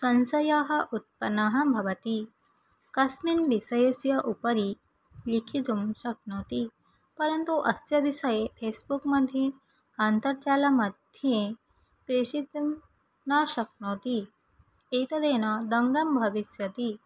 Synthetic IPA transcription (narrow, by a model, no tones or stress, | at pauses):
sɐnsɐjaɦɐʔut̪̚pɐnaɦɐbʱɐʋɐt̪i | kɐsminʋisɐjɐsjɐʔupəɾi | likʰit̪umɕɐk̚noːt̪i | pɐɾənt̪uʔɐsjɐʋisəjefʰesbukməd̪ʱːje | ant̪əɾt͡ɕalamɐd̪ʱjẽ | pɾeɕit̪m | naɕɐk̚not̪i | et̪ɐd̪enad̪ɐŋɡɐmbʱɐʋisjɐt̪i